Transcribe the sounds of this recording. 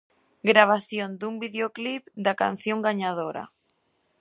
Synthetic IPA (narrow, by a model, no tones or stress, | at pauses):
ɡɾaβ̞aθjond̪umbiðeoklipd̪aka̰nθjoŋɡaɲaðoɾa̰